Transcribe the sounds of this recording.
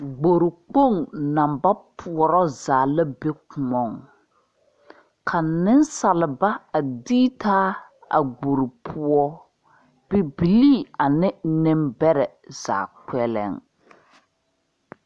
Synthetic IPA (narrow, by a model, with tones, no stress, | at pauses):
ɡ͡bo˨ɾɪ˨k͡po˦˨ŋna˨mba˦pʰu˨ɔ˨ɾɔ˦zaː˨la˦be˦kʊ˨mɔ˨ŋ | kʰa˨nɪ˦nsa˨lɪ˨ba˦a˨diː˦taː˦a̰˨ɡ͡bo˨ɾɪ˨pʰʊ˦ɔ˦ | b̥ɪ˦bi˨liː˦a˨nɪ˦nɪ˦mbɛ˦ɾɛ˨z̥a̰ː˨k͡pɛ˦lɛ̰˦˨ŋ